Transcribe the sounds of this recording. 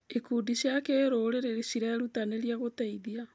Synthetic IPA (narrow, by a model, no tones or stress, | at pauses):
ekudisjakeːɾoːɾeɾeɾesiɾɛːɾutaneɾiaɣotɛiðia